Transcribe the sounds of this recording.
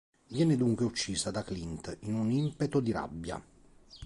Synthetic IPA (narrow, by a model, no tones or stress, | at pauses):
vjɛːned̪uŋkweut͡ʃːiːsad̪aklint̪inunimpet̪od̪iɾa̰bːja̰